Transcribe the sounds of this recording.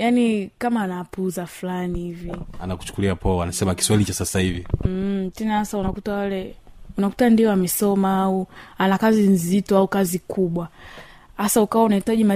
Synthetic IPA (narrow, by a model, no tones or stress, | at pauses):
janikamaːnapuzafulanihivianaku̥t͡ʃu̥kuliapɔanasɛmaki̥swailit͡ʃasasahivitɛnahasaunakutawalɛunaku̥tandiɔamɛsɔmaauanakazinzitɔaukazikʰuɓwa | hasaukawaunahitaʄima